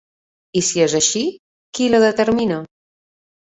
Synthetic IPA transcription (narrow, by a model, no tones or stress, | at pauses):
isiezaʃi | kiloðət̪eɾmina